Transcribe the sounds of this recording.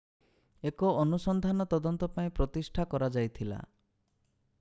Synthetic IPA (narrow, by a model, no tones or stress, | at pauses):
ekɔːnusɔnd̪ʱanɔt̪ɔd̪ɔnt̪ɔpaĩpɾɔt̪isʈʰakɔɾad͡ʒajt̪ʰila̰